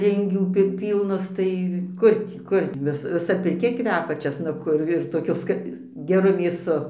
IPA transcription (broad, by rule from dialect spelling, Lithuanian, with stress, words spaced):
ˈrʲɪŋʲɡʲuː ˈpʲɪ ˈpʲiːlˠnɐs ˈtɐɪ ˈkʊr tʲiː ˈkʊr ɡʲɪ ˈʋʲɪs ʋʲɪˈsɐ pʲɪrʲˈkʲɛ ˈkʋʲæːpʲɛ t͡ʃʲɛsnɐˈkʊ ɪr toːˈkʲʊ ˈskɐ ɡʲɛˈrʊ mʲeːˈsʊ